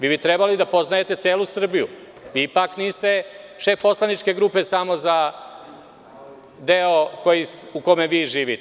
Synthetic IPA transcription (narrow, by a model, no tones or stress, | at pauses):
ʋiːbit̪ɾebalid̪apo̞znaje̞t̪e̞t̪seːlusr̩bijṵ | ʋiipakniːst̪eʃe̞po̞slˠanit͡ʃke̞ɡɾupe̞samo̞za | d̪eoko̞jisukomeʋiːʒiːʋit̪e